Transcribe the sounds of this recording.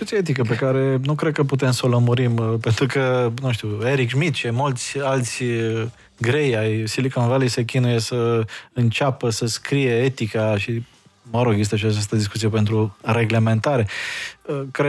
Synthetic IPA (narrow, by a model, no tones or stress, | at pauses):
ikut̪sijeet̪ikəp̬e̞kaɾe̞nukɾed̪̚kəput̪e̞msəoləmuɾimpe̞nt̪ɾukənũʃt̪iue̞ɾikʃmit̪t͡ʃemult̪sʲalt̪sʲ | ɡɾe̞jajsilikonvalise̞kʲinuje̞səɨnt͡ʃapəsəskɾije̞et̪ikaʃi | məɾoɡezist̪eaʃiat͡ʃast̪əd̪iskut̪sije̞pent̪ɾuɾe̞ɡle̞me̞nt̪aɾe̞əkɾe